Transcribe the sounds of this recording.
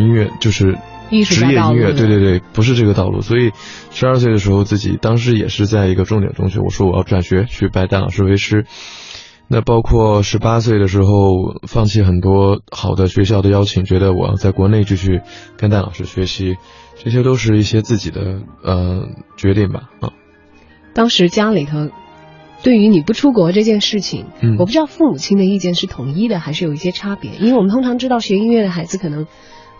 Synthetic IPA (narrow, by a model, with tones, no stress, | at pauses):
i˥nɥɛ˥˧t͡ɕjo˥˧ʊʂɻ̩˥˩˧ | ʂɻ̩˧˥jɛ˥˧i˥nɥɛ˥˧t̪we˥ɪt̪we˥˧t̪we˥˩ɪpu˧˥ʂ̬ɻ̩˥˧ʈ͡ʂɤ˥˩ɡə˩t̪ɑ˥˧ʊlṵ˥˩swɔ˧˥i˨˩˦ | ʂɻ̩˧˥ɐ˞˥˧s̬we˥˩ɪd̪ə˩ʂɻ̩˧˥xo˥˧ʊt͡sɹ̩˥˩t͡ɕḭ˨˩t̪ɑ˥ŋʂ̬ɻ̩˧˥jɛ̰˨˩ʂɻ̩˥˧t͡sa˥˩ɪi˧˥ɡə˧ʈ͡ʂʊ˥˩ŋt̪jɛ̰˨˩nʈ͡ʂʊ̰˥ŋɕḭ˧˨˩wɔ̰˨˩ʂwɔ˥wɔ˨˩jɑ˥˩ʊʈ͡ʂwa˨˩nɕɥɛ˧˥t͡ɕʰy˥˩pa˧˥ɪt̪a˥˩lɑ̰˨˩ʊʂɻ̩˥˧we˧˥ɪʈ͡ʂʰɻ̩˥ | na˥˧pɑ˥ʊkʰwɔ˥˩ʂɻ̩˧˥pa˥s̬we˥˩d̪ə˩ʂ̬ɻ̩˧˥xo˥˧ʊ˩fɑ˥˧ŋt͡ɕʰi˥˩xə˨˩nt̪wɔ˥xɑ˨˩ʊd̪ə˦ɕɥɛ˧˥ɕjɑ˥˩ʊd̪ə˩jɑ˥ʊt͡ɕʰi˨˩ŋt͡ɕɥɛ˧˥d̪ə˧wɔ˨˩jɑ̰˥˧t͡sa˥˩ɪkwɔ˧˥ne˥˧ɪt͡ɕy˥˧t͡ɕʰy˥˩kə˥nt̪a˥˩lʔɑ˨˩ʊʂɻ̩˥˧ɕɥɛ˧˥ɕi˧˥ʈ͡ʂɤ˥˩ɕ̬jɛ˥t̪o˥ʊʂ̬ɻ̩˥˧i˥˩ɕjɛ˥t͡sɹ̩˥˩t͡ɕi˨˩d̪ə̰˦ə˧t͡ɕɥɛ˧˥t̪i˥˩ŋbɐ̰˩˧˩ | t̪ɑ˥ŋʂɻ̩˧˥t͡ɕja˥li˨˩t̪ʰɤ˧˥ | t̪we˥˩ɪy˧˥ni˨˩pu˥˩ʈ͡ʂʰu˥k̬wɔ˧˥ʈ͡ʂɤ˥˧t͡ɕjɛ˥˧nʂɻ̩˥˩t͡ɕʰḭ˨˩ŋɔ˨˩pu˥˩ʈ͡ʂɻ̩˥t̪ɑ˥˧ʊfu˥˩mu˨˩t͡ɕʰi˥ŋd̪ə˧i˥˧t͡ɕjɛ˥˧nʂɻ̩˥˩t̪ʰʊ˨˩˦ŋi˥d̪ə˨xa˧˥ɪʂɻ̩˥˩jo˨˩i˥˩ɕjɛ˥ʈ͡ʂʰa˥pjɛ̰˧˥ʔi˥nwe˥˩wɔ˨m˦t̪ʰʊ˥ŋʈ͡ʂʰɑ˧˥ŋʈ͡ʂɻ̩˥t̪ɑ˥˩ʊɕɥɛ˧˥i˥nɥɛ˥˩d̪ə˩xa˧˥ɪd͡zɹ̩˧kʰɤ˨˩nɤ˧˥ŋ